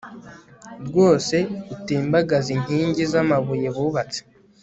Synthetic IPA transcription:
ɾɡwo̞ːse̞utiːmbaɡaziɲ̥hiːɲɟizamaβuje̞βuːβat͡se̥

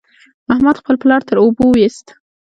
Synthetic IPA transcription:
ahmad̪xpəlplɑɾt̪əɾobowist̪

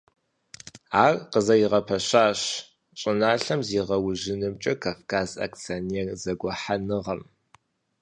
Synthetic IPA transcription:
aːrqəzɐjɪʁɐpʰɐɕaːɕ | ɕʼɪnaːɬɐmziːʁɐwʊʑɪnɨmt͡ʃʼɐkʰaːfkʰaːza̰kt͡sʰɐniɛrzɐɡʷɔħanɨʁɐm

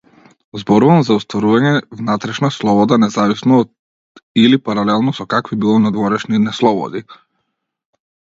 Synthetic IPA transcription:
zbɔɾuvamzaust̪vɔɾuvaɲɛvnat̪ɾɛʃnaslˠɔbɔd̪anɛzavisnɔːd̪ | ilipaɾalɛlˠnɔsɔkakvibilˠɔnad̪vɔɾɛʃninɛslˠɔbɔ̰d̪i

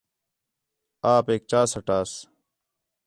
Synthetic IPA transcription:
aːpeːk̚t͡ɕaːsəʈaːs

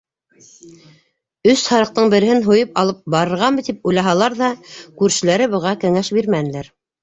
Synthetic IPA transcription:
ɵshɑɾɤ̆q̚t̪ɤɴbɘ̆ɾɘ̆hɘnɦujɤpɑlˠɤp̚bɑɾɤ̆ɾʁɑmɤ̆t̪ipujlˠɑɦɑlˠɑɾðɑkʉɾʃɘ̆læɾɘbɤ̆ʁɑkɘ̆ŋæʃbiɾmænɘ̆læɾ

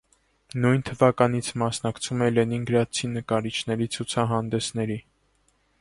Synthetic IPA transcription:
nujnt̪ʰəvɑkɑn̪it͡sʰmɑsnɑkt͡sʰumɛlɛninɡəɾɑt͡sʰinːəkɑɾit͡ʃʰn̪ɛɾit͡sʰut͡sʰɑɦɑnd̪ɛsnɛɾi

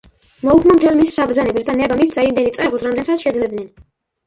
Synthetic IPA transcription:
mɔuχmamt̪ʰɛlmissabɾzanɛbɛsd̪anɛbamist̪z̥aimd̪ɛnit̪sʼɛʁut̪ɾamd̪ɛnsat̪ʃɛd̪zlɛd̪nɛn

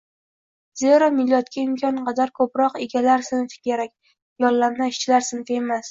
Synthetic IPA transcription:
z̥eɾɒmɪlːɒt̪kʲaɪmkʲʰɒnqʰɑd̪aɾkʰɵpɾɒqe̞ɡʲalaɾsɪnfɪ̥kʲeɾakʲ | jɒlːamnaɪʃt͡ʃʰɪlaɾsɪnfemas

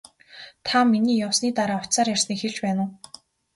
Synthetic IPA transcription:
t̪ʰaminiːjawsniːt̪aɾaːɔ̥t͡saːrjar̥sniːkxeɮpæːnʊ̆ː

